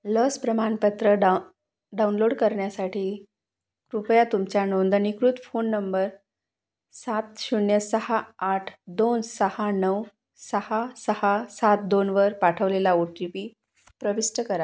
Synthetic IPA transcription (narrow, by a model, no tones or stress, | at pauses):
ləspɾəmanpət̪ɾəɖ | ɖaunloɽkəɾɳjasaʈʰiː | kɾupjat̪umt͡ɕjanond̪ənikɾut̪fonːəmbəɾ | sat̪ɕuɳjəsəhaːʈʰd̪onsəhanəw | səhasəhasat̪̚d̪onʋəɾpaʈʰəʋlelaoʈipiː | pɾəʋisʈəkəɾa